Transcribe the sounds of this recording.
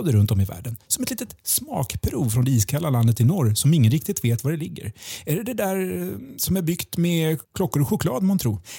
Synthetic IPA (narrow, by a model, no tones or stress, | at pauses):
d̪əɾɵnt̪ɔmɪvæ̰ːɖənsɔmɛt̪liːt̪ət̪smɑ̰ːkpʰɾuːvfɾɔnd̪ɛiːskʰalːaland̪ət̪ːɪnɔɾsɔmɪŋːənɾɪk̚t̪ɪt̪veːt̪vaɖɛlɪɡːə̰ɾæɖɛd̪ɛd̪æɾsɔmæɾbʏɡt̪mɛkʰlɔkːʊɾɧʊkʰlɑːd̪mant̪ʰɾuːɾ